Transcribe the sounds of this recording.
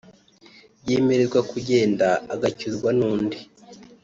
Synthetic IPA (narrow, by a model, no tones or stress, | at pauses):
jeːmeɾezɡwakuɟe̞ːndaːɡacuzɡwanuːndi